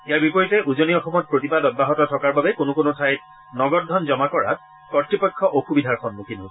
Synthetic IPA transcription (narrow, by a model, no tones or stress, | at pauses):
ijaɹbipɔɹitɛʔuzoniɔxɔmɔt̚pɹotibadɔd̚baɦɔtɔtʰɔkaɹbabɛkonʊkonʊtʰajt | nɔɡɔt̚dʱɔnzɔmakɔɹa̰t̚ | kɔtɹipɔjkʰːɔʔokʰubidʱaɹxʰɔnmukʰinʊ̃